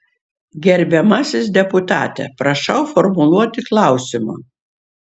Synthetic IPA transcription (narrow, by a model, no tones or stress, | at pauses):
ɡʲɛɾʲbʲɛmɐsʲɪsd̪ʲɛpʊt̪ɑ̰ːt̪ʲɛ̰pɾɐʃɐʊfɔɾmʊlˠuɔt̪ʲɪklˠɐˑʊsʲɪmɐ̰